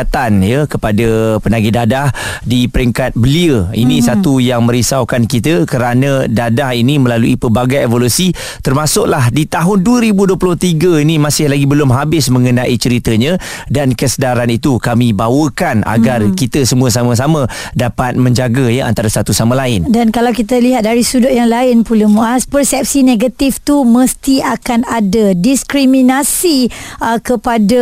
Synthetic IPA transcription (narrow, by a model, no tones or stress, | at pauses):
t̪anjəkəpadəpənaɡidadahdipəɾiŋkat̪̚bəliəinĩsat̪ujaŋmə̃ɾisawkankit̪əkəɾanə̃dadahinimə̃laluipərbaɡajevolusi | t̪ərmasʊʔlahdit̪aɦʊnduəɾibuduəplʊht̪iɡəinimasɪhlaɡibəlʊmɦabɪsmə̃ŋənaʔit͡ʃəɾit̪əɲə̃ | dankəsədaɾanit̪ukamibawəkana̰ɡarkit̪əsəmuəs̬amə̃s̬amə̃ | dapat̪̚mə̃ɲd͡ʒaɡajaʔa̰nt̪aɾasat̪usamalaɪndankalawkit̪əliɦat̪̚daɾisudʊʔjaŋlaɪnpuləmuaspərsɛp̚sineɡat̪ift̪uməst̪iakanadadiskɾiminasikəpada